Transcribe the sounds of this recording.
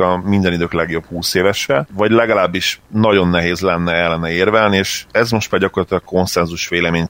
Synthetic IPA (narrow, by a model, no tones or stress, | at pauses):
ɒmind̪ɛnid̪øːklɛɡjo̞phuːseːvɛʃrɛvɒɟlɛɡɒlaːbːiʃnɒɟo̞nːɛɦeːzlɛnːɛɛlːɛnːɛeːrvɛlnieːʃɛzmo̞ʃt̪maːɟɒkorlɒt̪ylɒk̚ko̞nsɛnzuʃʋeːlɛmeːɲ